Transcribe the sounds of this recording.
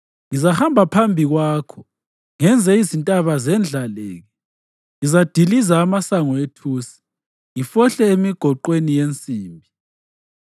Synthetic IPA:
ŋizahambʱapʰambʱiɣwaːkʰɔ̥ | ŋɛnd͡zʱɛizintʼaβazɛnd͡ɮʱalḛːŋɛ | ŋizad̥ʱilizaːmasaŋɔetʰuːsi̥ | jifɔɬɛemiɡ̥ʱɔǃwenijent͡sʼiːmbʱi

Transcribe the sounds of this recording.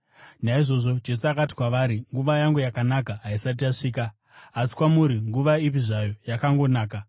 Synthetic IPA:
naiʐo̞ʐo̞d͡ʒe̞s̬uakati̥kwaʋaɾiŋɡuʋajaŋɡujakanakaɦaisat̬iaʂiːkaː | si̥kwamuɾiŋɡuʋaip̬iʐajo̞jakaŋɡo̞naːka

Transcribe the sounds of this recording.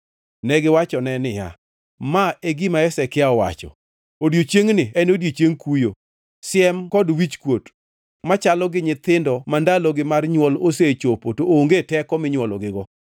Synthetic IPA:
nɛɡɪwat͡ʃɔnɛnɪja̰ | maeɡimaɛsɛkɪaɔwa̰t͡ʃɔ̰ | odjot͡ʃeŋnɪɛnodjot͡ʃeŋkujo | sɪɛmkɔdwit͡ʃkwot | mat͡ʃalɔɡɪɲɪt̪ɪndɔmandalɔɡɪmarɲwɔloset͡ʃopotooŋɡetɛkɔmɪɲwɔlɔɡɪɡɔ

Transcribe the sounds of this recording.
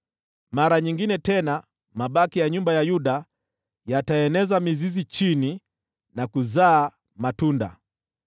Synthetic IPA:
maɾaɲiŋɡinɛtɛna | maɓakijaɲumbajajuɗa | jataɛnɛzamizizit͡ʃini | nakuzaː | matunda̰

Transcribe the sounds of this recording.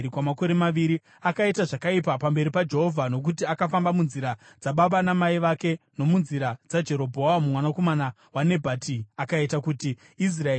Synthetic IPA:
kwamako̞ɾe̞maʋiɾi | akaitaʐakaipapambe̞ɾipad͡ʒe̞ɦo̞vʱano̞k̬utiakafambamunziɾad͡zaɓaɓanamaiʋake̞no̞munziɾad͡zad͡ʒe̞ɾo̞bʱoamumwanako̞mana | wane̞bʱatiakaitakutiː | s̬rae

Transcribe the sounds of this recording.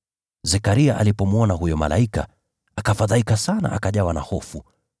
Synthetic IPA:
zɛkaɾiaʔalipɔmwɔnaɦujɔma̰lʔa̰ika̰ | akafaðaikasana̰ʔakaʄawana̰hɔfu

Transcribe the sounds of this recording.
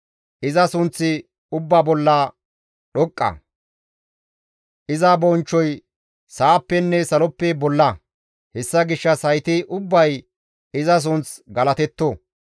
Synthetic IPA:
ʔɪzɐsʊnt͡sːɪ | ʊbːaːbɔlːa | ɗɔkʼːɐ̰ | ʔɪzɐbɔnt͡ʃːɔj | saːpːɛnːɛsɐlɔpːɛbɔlːɐ | hɛsːɐɡɪʃːɐsɐjt̪ɪʔʊbːɐj | ɪzɐs̬ʊnt͡sɡɐlɐt̪ɛt̪ːo

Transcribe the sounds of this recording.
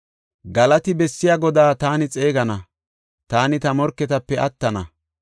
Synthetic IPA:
ɡɐlɐt̪ɪbɛsːɪjaːɡɔd̪aːt̪aːnɪt͡sʼe̞ːɡɐnɐ | t̪aːnɪt̪ɐmɔɾkːɛt̪ɐpːɛɐt̪ːɐnɐ̰

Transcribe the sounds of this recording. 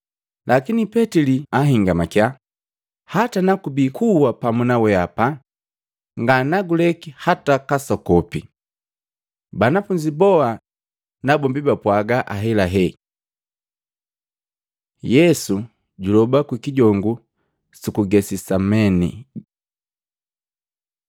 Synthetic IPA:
lʔakinipɛtiliaɦiŋɡamakja | hatanakubikuwapamunawɛapa | ŋɡanaɡulɛkihatakasɔkɔpi | banafuɲd͡ʒibɔa | nabɔmbibapwaɡaʔaɦɛlaɦɛ | jɛsu | ɟulɔbakwikiɟɔŋɡu | sikuɡɛsisamɛnḭ

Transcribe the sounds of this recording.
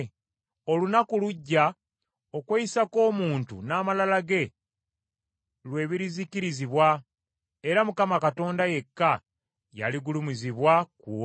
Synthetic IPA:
o̞lunakuluɟːa | o̞kweisako̞ːmuːntṵnaːmalalaɡe̞ | lwe̞ːβiɾiziciɾiziβwa | e̞ɾamukamakato̞ːndaje̞kːa | ja̰liɡulumiziβwaku

